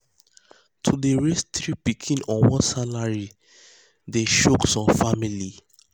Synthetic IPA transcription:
tʰudeɹest̪ɹipikʰĩnɔ̃nwɔ̃nsalaɹi | deʃoksɔ̃mfamili

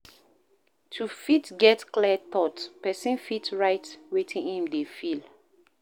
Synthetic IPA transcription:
tʰufitɡɛtklɛt̪ɔtpɛsĩnfitɹaɪtwetʰĩnhĩmdefil

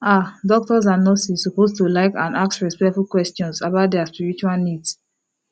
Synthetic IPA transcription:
adɔk̚tɔz̬ãnːɔsizsupostulaɪkã̰naksɹispɛktfulkwɛstɔ̃nsabaʊt̚dɛaspiɹit͡ʃualnids

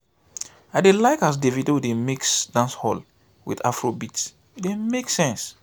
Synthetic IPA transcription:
aɪdelaɪkas̬devidowudemiksdãnshɔl | wḭða̰fɹobits | demeksɛ̃ns

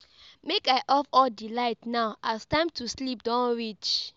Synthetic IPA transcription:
mekaɪʔɔfɔldilaɪtnaʊʔastãɪ̃mtʰuslip̚dɔ̃nɹit͡ʃ

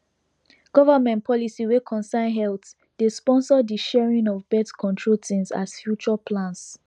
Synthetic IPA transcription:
ɡ̥ɔvəmɛ̃ntpʰɔlisiwekʰɔ̃nsãnɦɛlt | despɔ̃nsɔdiʃɛɹĩnɔvbɛtkʰɔ̃ntʰɹotʰĩŋsa̰sfjut͡ʃɔpʰlãns

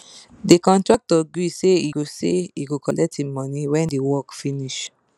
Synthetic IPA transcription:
dekɔ̃ntɹak̚tɔɡiseiɡoseiɡokɔlɛk̚temɔniwɛ̃ndewɔkfiniʃ

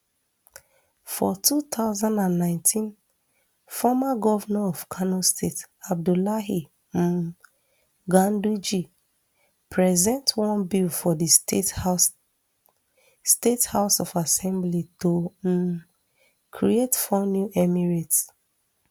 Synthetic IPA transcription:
fɔtʰut̪aʊzãndãnːãɪ̃ntʰĩn | fɔmaɡɔvanaɔv̥kʰanɔstʰetab̚dulaɦi | ɡãndud͡ʒi | pʰɹɛzɛ̃ntwɔ̃nbilfɔdi | stethaʊsɔfasɛ̃mblito | kʰɹietfɔnjuʔɛmiɹets

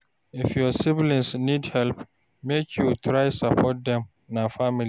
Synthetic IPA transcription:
ifjɔsivlĩnsnidhɛlp | mekʰjutʰɹaɪsapʰɔt̚dɛ̃m | nafamili

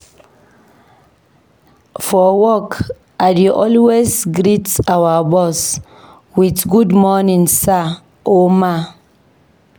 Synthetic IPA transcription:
fɔwɔk | adiʔɔlwesɡɾitawabɔs | witɡudmɔnĩŋsa | oma

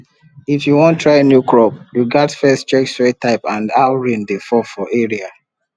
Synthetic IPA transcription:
ifjuwɔ̃ntʰːɹaɪnjukʰɹɔpjuɡɛtfɛst͡ʃɛksɹetaɪpãndaʊɹĩndefɔfɔʔeɹia

